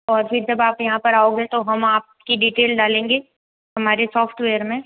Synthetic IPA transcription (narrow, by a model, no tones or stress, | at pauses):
ɔːɾfʰɪɾd͡ʒɐbaːpjɐɦãpɐɾaːoːɡẽt̪oɦɐmaːp̚ | kiɖiːʈeːlɖaːlẽːŋɡeː | ɦɐmaːɾesɔːfʰʈʋeːəɾmẽ